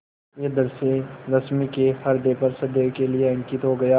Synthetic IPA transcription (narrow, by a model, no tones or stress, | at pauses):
jed̪ɐɾseɾɐsmikefɐɾd̪eːpɐɾsɐd̪ekelieɐ̃ŋkiːt̪ɦoːɡɐjaː